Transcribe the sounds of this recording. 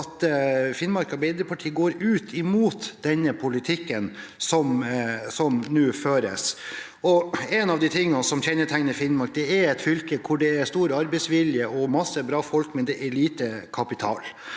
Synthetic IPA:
t̪fɪnmɑɾkɑbɛɪd̪əpʰɑʈʰiːɡoːɾʉːt̪ʰɪmuːt̪d̪̥ɛnːəpʰʊlɪt̪ʰɪkːənsɔmsɔmnʉːføːɾə̰s | ɔɛnɑʋd̪ɪt̪ʰɪŋːɑsɔmçɛnːəʈʰæŋnəfɪnːmɑɾk̚d̪ɛɛɾɛt̪fʏlkəkʰʊɖɛæɾst̪uːɾəɑɾbɛɪsʋɪljəʔɔmɑsːəbɾɑːfɔlkmɛnd̪ɛʔɛɭiːt̪əkʰɑpɪt̪ʰɑ̰ːl

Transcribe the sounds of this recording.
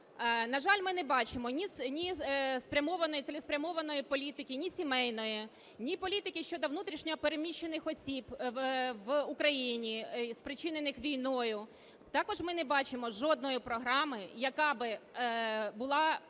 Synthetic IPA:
nɐʒɑlʲmɪnɛbɑt͡ʃɪmɔnʲisnʲispɾʲɐmɔʋɐnɔjiselʲɪspɾʲɐmɔʋɐnɔjipɔlʲit̪ɪkʲɪnʲisʲimɛjnɔji | nʲipɔlʲit̪ɪkʲɪʃt͡ʃɔd̪ɔʋnut̪ɾʲiʃɲʲɔɦɔpeɾemʲiʃːenɪxɔsʲib | ʋʊkɾɐjinʲispɾɪt͡ʃɪnenɪxʋʲijnɔjʊ | t̪ɑkɔʒmɪnɛbɑt͡ʃɪmɔʒɔd̪nɔjipɾɔɦɾɑmɪjɐkɑbɪ | bʊlˠɑ

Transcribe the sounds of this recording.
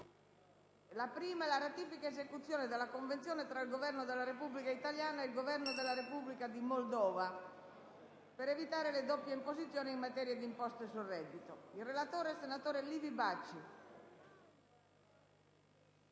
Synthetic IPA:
lapɾiːmaɛlaɾat̪iːfikaezekut̪sːjoːned̪elːakoɱvent̪sjoːnet̪ɾailɡovɛrnod̪elːaɾepubːlikait̪aljaːnaelɡovɛrnod̪elaɾepublikad̪imold̪ɔːva | peɾevit̪aːɾeled̪opːjeimpozit̪sːjoːnimːat̪ɛːɾjad̪impɔst̪oesurɛd̪it̪oilrelat̪oːɾɛsenat̪oːɾelivibat͡ʃːi

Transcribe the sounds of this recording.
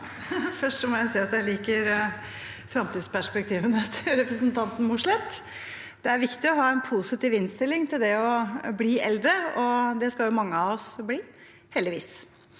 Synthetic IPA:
fœʂʈʂɔmɔjæɪsiːɑt̪jæɪliːkəɾ | fɾɑmt̪iːd̪spæʂpɛk̚t̪ʰiːʋənət̪ʰɪɾɛpɾəsnt̪ʰɑnt̪n̩mʊʂɭɛt̪ː | d̪̥ɛæɾʋɪkt̪ɪɔɦɑːɛnpʰusɪt̪iːʋɪnst̪ɪlːɪŋt̪ɪld̪ɛɔbliːʔɛ̰ld̪ɾəɔd̪ɛskɑljʊmɑŋːəɑʋɔsbliː | hɛld̪ɪʋḭːs

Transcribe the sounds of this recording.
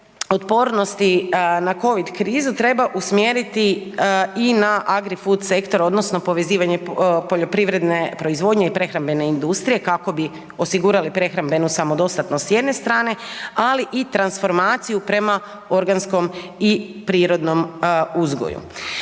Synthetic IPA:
o̞t̪po̞ːɾno̞st̪inako̞ʋid̪kɾiːzut̪ɾe̞baʔusmje̞ɾit̪i | inaʔaɡɾifut̪se̞kt̪o̞ɾo̞d̪no̞sno̞po̞ʋe̞ziːʋaɲe̞po̞ʎo̞pɾiʋɾe̞d̪ne̞pɾo̞izʋo̞ːd̪ɲeipɾe̞xɾambe̞ne̞ind̪ust̪ɾije̞kako̞bi | o̞siɡuːɾalipɾe̞xɾambe̞nusamo̞d̪o̞st̪at̪nossje̞d̪ne̞st̪ɾaːne̞aliʔit̪ɾansfo̞ɾmaːt̪sijupɾe̞ma | o̞ɾɡansko̞m | i | pɾiːɾo̞d̪no̞muzɡo̰jṵ

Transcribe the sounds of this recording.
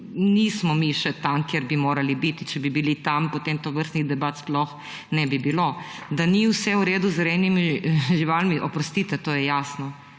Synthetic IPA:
nismɔmiʃɛt̪amkjeɾbimoːɾalibit̪it͡ʃɛbibilit̪ampot̪emt̪oʋəɾst̪niɣd̪ɛbaːt̪splɔx | nɛbibilo | d̪aniwsɛuɾeːd̪uzɾɛnimiʒiʋalmiʔɔpɾɔst̪iːt̪ɛt̪oːjɛjasnɔ

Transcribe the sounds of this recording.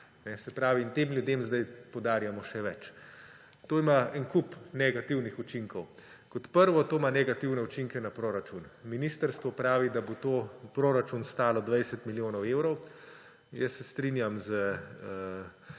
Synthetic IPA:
nɛsɛpɾaːʋiːnt̪eːmljud̪eːmzd̪ajpowd̪aːɾjamɔʃɛʋɛt͡ʃ | t̪oːimaɛnkupnɛɡat̪iwnixut͡ʃiŋkɔw | kɔt̪pəɾʋɔt̪oːmanɛɡat̪iwnɛut͡ʃiŋkɛnapɾoːɾat͡ʃunminist̪əɾst̪ʋɔpɾaːʋid̪abot̪oːpɾoːɾat͡ʃunst̪aːlɔd̪ʋɛjsɛt̪miljoːnɔweːwɾɔw | jɛsːɛst̪ɾinjamzəə

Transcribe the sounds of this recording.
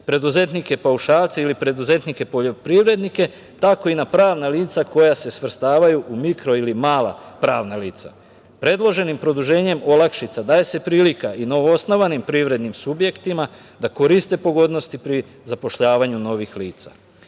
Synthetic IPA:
pɾe̞d̪uze̞t̪nike̞pauʃaːlt̪seilipɾe̞d̪uze̞t̪nike̞po̞ʎo̞pɾiʋɾe̞d̪nike̞ | t̪ako̞inapɾaːʋnaliːt̪sako̞jase̞sʋr̩st̪aːʋajuʔumikɾo̞ilimaːla̰pɾaːʋnaliːt̪sa̰ | pɾe̞d̪lˠo̞ʒe̞nimpɾo̞d̪uʒe̞ːɲe̞mo̞lˠakʃit̪sad̪aːje̞se̞pɾiːlikaʔino̞ʋoosno̞ʋanimpɾiʋɾe̞d̪nimsubje̞kt̪ima | d̪ako̞ɾist̪e̞po̞ɡo̞d̪no̞st̪ipɾi | zapo̞ʃʎaːʋaɲuno̞ʋixliːt̪sa̰

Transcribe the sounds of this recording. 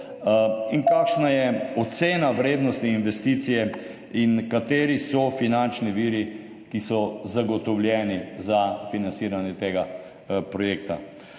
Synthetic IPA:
inkaːkʃnajɛɔt̪seːnaʋɾeːd̪nɔst̪iːnʋɛst̪iːt̪sijɛ | inkat̪eːɾisɔfinant͡ʃniʋiːɾi | kisɔzaɡɔt̪ɔwlʲjɛːnizafinant̪siːɾanjɛt̪eːɡa | pɾɔjeːkt̪a̰

